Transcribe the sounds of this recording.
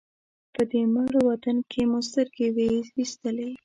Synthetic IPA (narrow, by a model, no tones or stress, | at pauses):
pəd̪emaɽwat̪ankʰemʊst̪əɾɡewewist̪əle